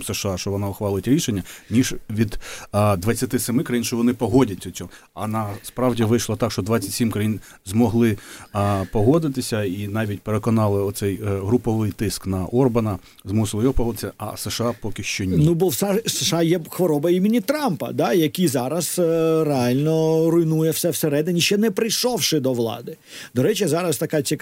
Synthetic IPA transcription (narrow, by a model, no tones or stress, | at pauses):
mseʃɑʃt͡ʃɔʋɔnɑʊxʋɑlˠɪtʲɾʲiʃenʲːɐnʲiʒʋʲid̪d̪ʋɐt͡sʲːɐt̪ɪsemɪkɾɐjinʃt͡ʃɔʋɔnɪpɔɦɔdʲɐt͡sʲːɐt͡sʲɔ | ɐ̰nɐspɾɑwdʲiʋɪjʃlˠɐt̪ɑkʃt͡ʃɔd̪ʋɑt͡sʲːɐtʲsʲimkɾɐjin | zmɔɦlˠɪ | pɔɦɔd̪ɪt̪ɪsʲɐinɑʋʲitʲpeɾekɔnɑlˠɪɔt̪sɛjɦɾʊpɔʋɪjt̪ɪsknɐʔɔrbɐnɐ | zmusɪlˠɪjɔɦɔpɔɦɔd̪ɪsʲɐʔɐ̰sɛʃɑpɔkʲɪʃt͡ʃɔnʲnubɔwsseʃɑjɛxʋɔɾɔbɐimʲɪnʲit̪ɾɑmpɐ̰d̪ɑjɐkʲizɑɾɐsɾeɑlʲnɔɾʊjnujɛwsɛwseɾɛd̪ɪnʲiʃt͡ʃɛnɛpɾɪjʃɔwʃɪd̪ɔʋlˠɑ̰d̪ɪ | d̪ɔɾɛt͡ʃɪzɑɾɐst̪ɐkɑt͡sʲik